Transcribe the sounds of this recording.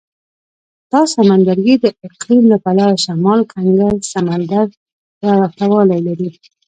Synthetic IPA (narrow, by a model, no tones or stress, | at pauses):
t̪ɑsamand̪aɾɡid̪əɪqlimləpalɑjəʃamɑlkʰaŋɡalsamand̪aɾ | jaɾaft̪awɑlajlaɾi